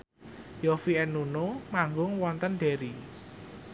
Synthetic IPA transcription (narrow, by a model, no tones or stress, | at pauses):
jɔfiɛnːunomaŋɡʊŋwɔnt̪ənɖ̥eɾi